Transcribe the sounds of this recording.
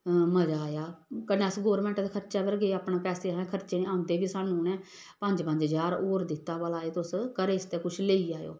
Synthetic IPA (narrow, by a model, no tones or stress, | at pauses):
məd͡ʒaːjaːkənẽːəsɡoːɾmɛ̃ːɳʈːt̪akʰəɾt͡ʃaːpəɾɡeːaːpnãːpɛːseːɛ̃ːkʰəɾt͡ʃeːnẽːãːʊ̃nd̪eːbiːsaːnũːnɛ̃ː | pə̃ɲd͡ʒpə̃ɲd͡ʒɦəzaːɾoːɾd̪ɪt̪ːaːbəlaːeːt̪ʊskəɾeːɪst̪eːkʊt͡ʃʰleːiːaːjo̰ː